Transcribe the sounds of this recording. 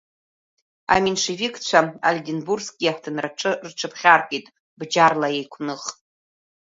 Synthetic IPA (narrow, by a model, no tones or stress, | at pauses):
a̰minʂevikʰʼt͡ɕʷʰaa̰lʲdʲinburskɡʲijaħʷtʰɨnraʈ͡ʂʼɨrʈ͡ʂʰɨpʰχʲarkʼitʼ | bd͡ʒarlajejkʷʰnɨχʼ